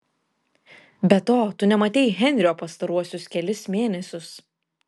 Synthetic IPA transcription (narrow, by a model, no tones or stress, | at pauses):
bʲɛt̪oːt̪ʊnʲɛmɐt̪ʲɛɪɣʲɛnʲɾʲɪoːpɐst̪ɐɾuɔsʲʊskʲɛlʲɪsmʲeːnʲɛsʲʊs